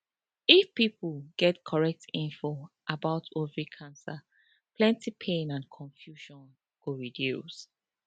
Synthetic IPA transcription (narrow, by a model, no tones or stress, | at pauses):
ifpipulɡ̥ɛtkʰɔɹɛk̚tʰĩnfo | ʔabaʊtʰovɹikʰãnsa | pʰlɛ̃ntʰipʰẽnãnkʰɔ̃ɱfjuʃɔ̃n | ɡ̥oɹidjus